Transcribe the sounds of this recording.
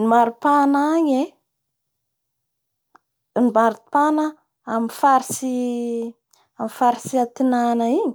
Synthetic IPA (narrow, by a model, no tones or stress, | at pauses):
nimaɾupanaɲe | nibaɾupanə | amifaɾisi | amifaɾisiat̪inanəiɲi̥